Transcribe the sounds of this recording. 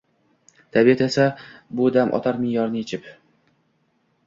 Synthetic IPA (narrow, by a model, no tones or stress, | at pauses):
t̪ʰabiet̪e̞sabʊd̪amʔɒ̰t̪ʰaɾmɪjɒɾnɪet͡ʃʰɪp